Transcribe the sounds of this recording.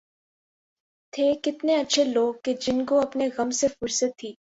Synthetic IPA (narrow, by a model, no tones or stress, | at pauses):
t̪ʰeːkɪt̪neɐtːʃʰeloːɡ̚ked͡ʒɪnkoɐpneɣɐmsefʊɾsət̪ʰːiː